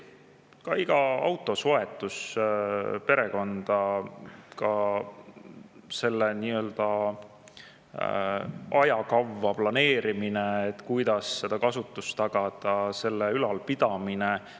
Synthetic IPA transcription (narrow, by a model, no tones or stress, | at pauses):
kɑiɡ̥ɑɑ̰wt̪ːˑo̞so̞e̞t̪ːˑus | pe̞ɾe̞ko̞nd̪̥ɑ | kɑ | se̞lːeniːø̞ld̪̥ɑ | ɑjɑkɑwːɑplɑne̞ːɾimineet̪ːkujd̪̥ɑsːe̞d̪̥ɑkɑsut̪ːˑust̪t̪ɑɡ̥ɑd̪̥ɑse̞lːeylɑlpid̪̥ɑmine